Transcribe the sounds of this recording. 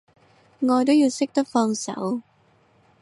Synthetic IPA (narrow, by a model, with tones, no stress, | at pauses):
ŋɔː˧jt̪ʊ˨˥ji˧wsɪ˦˥k̚t̪ɔ˦˥fɔː˧ŋsɐ̰˨˩˥w